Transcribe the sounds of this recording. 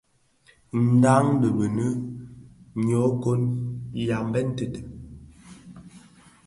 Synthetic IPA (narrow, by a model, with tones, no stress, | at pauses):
n̩˨˦da˦ŋdə˨bə˨nə˦ | ɲo˨˦ko˦nja˨m˦bɛ˦n̩˦tə˨tə˨